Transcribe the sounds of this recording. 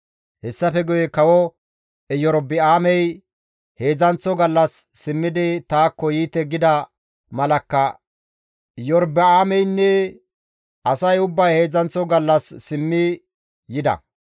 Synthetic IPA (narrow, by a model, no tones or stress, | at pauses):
hɛsːɐfɛɡʊjɛkɐwɔ | ɛjɔɾbɪaːmɛj | he̞ːd͡zɐnt͡sːɔɡɐlːɐsːɪmːɪd̪ɪt̪aːkːɔjiːt̪ːɛɡɪd̪ɐ | mɐlɐkːɐ | jɔɾbɪaːmɛjnːɛ | ʔɐsɐjʊbːɐjhe̞ːzɐnt͡sɔɡɐlːɐsːɪmːɪ | jɪd̪ɐ̰